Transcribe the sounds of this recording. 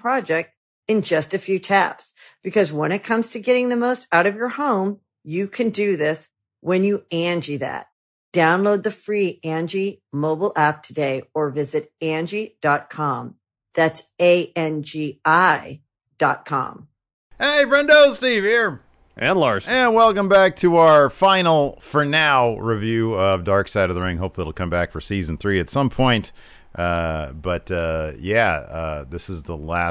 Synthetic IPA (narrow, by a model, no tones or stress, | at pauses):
pʰɹ̥ɑd͡ʒɛk̚t̚ | ɨ̃nd͡ʒʌstɨfjʉtʰæpsb̥ɨkʰʌzwə̃ñɨt̚kʰʌ̃mz̥tʰɨɡɛɾɪ̃ŋðɨmoʊstaʊɾʌvjə˞hõʊ̃m | jɨkʰɨ̃ndɨðɪs | wɨ̃njɨæ̃nd͡ʒiðæ̰t̚ | d̥ãʊ̃nloʊd̪̚ðɨfɹiæ̃nd͡ʒimoʊbl̩ˠæp̚tʰɨdeɪə˞vɪzɨɾæ̃nd͡ʒid̥ɑt̚kʰɑ̃m | ðætseɪʔɛ̃nd͡ʒiaɪ | d̥ɑt̚kʰɑ̰̃m | heɪbɹɛ̃ndoʊz̥stiv̥hiɹ | ʔɨ̃nlɑɹsɨ̃nwɛlˠkə̃mbæk̚tʰəaə˞fãɪ̃nl̩ˠfə˞naʊɹivjʉʌvdɑɹksaɪɾʌvðəɹɪ̃ŋɦoʊpfl̩ˠiɾl̩ˠkʰʌ̃mbækfə˞siz̃n̩θɹiɨtsʌ̃mpʰɔ̃ɪ̃nt | ʔʌb̥ʌtʌjæʌ̰ðɪsɨzðəlæ